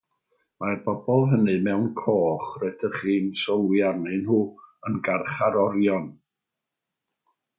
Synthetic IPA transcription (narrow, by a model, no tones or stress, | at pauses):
marbɔbɔlˠɦənɨmɛwnkʰoːχrɛdərχiːnsɔlˠwiarnɨnhuːənɡarχaɾɔɾjɔn